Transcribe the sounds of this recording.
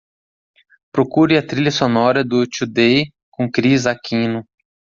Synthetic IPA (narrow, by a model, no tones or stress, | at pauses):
pɾokuɾɪɐt̪ɾiʎɐsonɔɾɐd̪ʊt͡ʃud̪e | kõkɾizakʰĩnʊ